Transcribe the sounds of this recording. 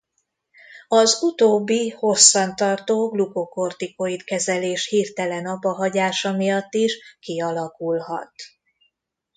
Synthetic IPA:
ɒzut̪oːbːiho̞sːɒnt̪ɒrt̪oːɡluko̞ko̞rt̪ikoit̪kɛzɛleːʃhiːrt̪ɛlɛnɒbɒɦɒɟaːʃɒmijɒt̪ːiʃkiɒlɒkulɦɒ̰t̪

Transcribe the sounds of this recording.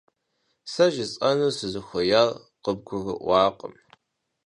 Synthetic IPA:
sɐʒɪt͡sʼɐnɨsɨzɨxʷɔjaːr | qəb̚ɡʷʊɣɨ̰ʔʷɑːqʼə̰m

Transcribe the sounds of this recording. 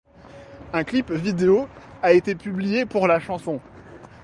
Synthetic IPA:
ɛ̃klipvid̪eoaet̪epyblijepuʁlaʃɑ̃sɔ̃

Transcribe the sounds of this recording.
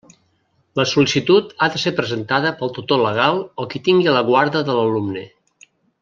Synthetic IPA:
ləsulisit̪ut̪aðəsepɾəzənt̪aðəpəlˠt̪ut̪oləɣ̞alˠɔkit̪iŋɡiləɣwaɾðəðələlumnə

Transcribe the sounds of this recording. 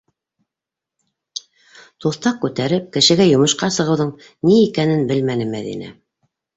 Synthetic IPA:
t̪uθt̪ɑq̚kʉt̪æɾɘp̚kɘ̆ʃɘ̆ɡæjŏmɤ̆ʃqɑsɤ̆ʁɤ̆wðɤɴ | niːkænɘnbɘlmænɘmæ̰ðḭnæ̰

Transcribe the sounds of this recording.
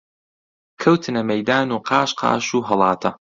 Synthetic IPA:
kʰɐwt̪ʰɨnɐmɐjd̪aːnuːqʰɑːʃqʰɑ̰ːʃuːɦɐlˠɑːt̪ʰɐ

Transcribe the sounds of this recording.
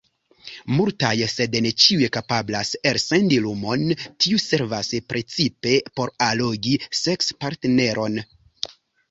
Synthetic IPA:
multajse̞dnet͡ʃiujekapablase̞ɾse̞ndilumo̞ntʰiuse̞ɾvaspɾe̞t͡sipe̞po̞ɾalo̞ɡise̞kspaɾtene̞ɾʔo̞n

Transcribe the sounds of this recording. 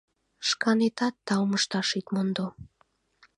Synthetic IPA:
ʃkɑnet̪ɑt̪ːɑwməʃt̪ɑʃit̪mond̪o

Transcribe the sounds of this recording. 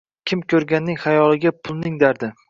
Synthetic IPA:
kʲʰɪmkʲʰɵɾɡʲanːɪŋhajɒlˠɪɡʲapʰʊlˠnɪŋd̪aɾd̪ɪ

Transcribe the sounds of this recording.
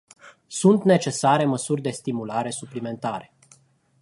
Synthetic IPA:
sunt̪ne̞t͡ʃe̞saɾe̞məsurʲd̪e̞st̪imulaɾe̞suplime̞nt̪aɾe̞

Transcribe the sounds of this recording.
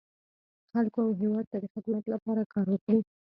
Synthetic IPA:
xalkoawɦewɑd̪̚t̪ad̪əxak̪umat̪lapɑɾakɑɾwəkɽi

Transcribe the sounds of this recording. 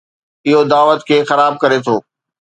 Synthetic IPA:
ɪɦod̪aːʋət̪kʰeːxɐɾaːb̚kɐɾet̪ʰoː

